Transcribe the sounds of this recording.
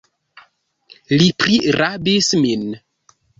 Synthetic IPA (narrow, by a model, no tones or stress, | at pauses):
lipɾiɾabismin